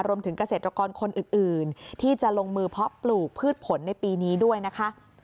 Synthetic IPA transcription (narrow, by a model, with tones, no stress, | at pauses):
ɾu˧əmt̪ʰɯ˨˩˦ŋka˧seː˨˩t̪ɾa˧kɔː˧nkʰo˧nʔɯː˨˩nʔɯː˨˩nt̪ʰiː˥˩t͡ɕa˨˩lo˧ŋmɯː˧pʰɔ˦˥pluː˨˩k̚pʰɯː˥˩t̪̚pʰo˩˦nːa˧jpiː˧niː˦˥du˥˩əjna˦˥kʰa˦˥ʔ